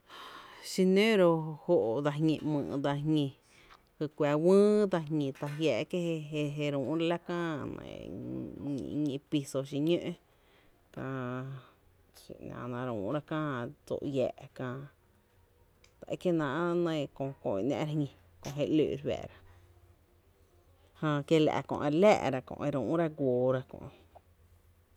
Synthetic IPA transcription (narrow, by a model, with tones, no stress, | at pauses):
ʃi˧nẽ˦ɾo˧ho˦˨ʔd̪a˧ɦɲĩ˧mɨ̰̃ː˧˨˧d̪a˧ɦɲĩ˧ | hɨ˧kʷɛ˨˧wɨ̃ː˦d̪a˧ɲĩ˧t̪a˧ɦjɛː˧˨ʔke˦e˧e˧ɦe˧ɾũː˨ɾa˧˦la˦kãː˦nə̰̃˨˧ | ɲĩ˧pi˧so˧ʃ̬i˧ɲø̃˦ʔ | kã˧ | ḭ˨nã̰˨nã˧ɾṵ̃ː˨˦ɾa˦kãː˦d͡zo̰˧˨ʔjɛː˧˨ʔkãː˧ | t̪a˨ʔe˦ke˦nã˧ʔnə̃˧˨kõ˧kõ˧i˧ʔnã̰ː˧ʔɾa˧hɲĩ˧ | kõ˧˨ɦe˧ʔlø̰˨˧ɾwɛ̰˨ɾa˧ | hãː˧kje˦˧la̰˨kõ̰˧˨ʔe˧ɾlæ̰ː˧˨ʔɾa˧kõ̰˧ʔe˧ɾũː˨˦ɾa˦ɡʷoː˨ɾa˧kɔ̰̃˧ʔ